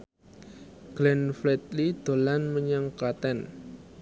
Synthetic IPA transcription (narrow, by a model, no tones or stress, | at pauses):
ɡ̥lɛnflɛt̪̚lid̪̥o̤lanməɲaŋkat̪ɛn